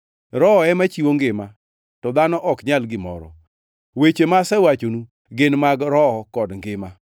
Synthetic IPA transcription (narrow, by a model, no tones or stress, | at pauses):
ɾɔɛmat͡ʃiwoŋɡɪma | tɔd̪anɔʔɔkɲalɡɪmɔ̰ɾɔ̰ | wet͡ʃemasɛwat͡ʃonu | ɡɪnmaɡɾɔkɔdŋɡɪma